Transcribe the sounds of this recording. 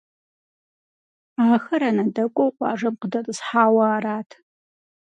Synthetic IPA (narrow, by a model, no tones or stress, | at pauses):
aːxɐɾɐnɐdɐkʷʼɔwqʷʼɑ̰ːʐɐmqədɐtʼɨsħaːwɐːraːtʰ